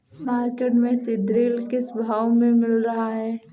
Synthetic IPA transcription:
maːɾkeːʈmẽsɪd̪ɾeːlkɪsbʱaːwmẽmɪlɾɐɦaɦɛː

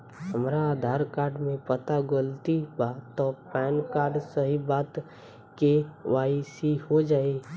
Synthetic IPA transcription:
həmɾaaːd̪ʱaːɾkaːɾɖmẽpət̪aɡəlt̪ibat̪ɔpɛːnkaːɾɖsəɦibaːt̪ | keʋaːisihod͡ʒaːe

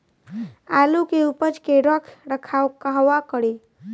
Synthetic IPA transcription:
alukeupət͡ʃkeɾɔkʰɾəkʰakaɦwakəɽi

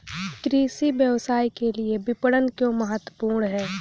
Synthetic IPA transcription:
kɾiːsibjəʋsaːikeliebɪpəɽənkjõːməɦət̪wəpuːɾɳɦɛː

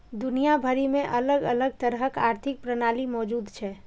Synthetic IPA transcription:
d̪ʊnijabʱəɾimẽʔɐləɡələɡ̚t̪əɾɦəkaːɾt̪ʰɪk̚pɾənaːlimɔːd͡ʒuːd̪t͡ʃʰɛː

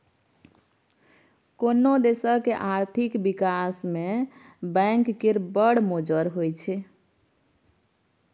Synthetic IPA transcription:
konːod̪esəɦkeʔaɾt̪ʰikbikasme | bəŋkːeɾbəɽmod͡ʒəɾɦojt͡ʃʰɛ

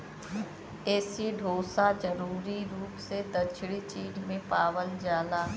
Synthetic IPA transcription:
ɛːsiɖʱoːsad͡ʒɐɾuːɾiɾuːpsed̪ɐt͡ʃʰɽit͡ʃiːd͡ʒmẽpaːwəld͡ʒaːlaː

